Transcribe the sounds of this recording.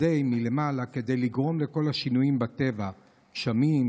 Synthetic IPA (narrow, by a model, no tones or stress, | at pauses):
ejmile̞malake̞d̪ejliɡʁo̞mle̞ko̞laʃinujimbat̪e̞va | ʃamim